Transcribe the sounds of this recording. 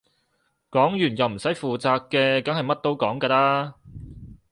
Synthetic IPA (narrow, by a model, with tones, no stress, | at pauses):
kɔː˨˥ŋjyː˨˩njɐ˨wm̩˨˩sɐ˨˥jfuː˨t͡saː˧kːɛː˧kɐ˨˥ŋhɐ˨jmɐ˥t̚t̪o˥wkɔː˨˥ŋkaː˧laː˥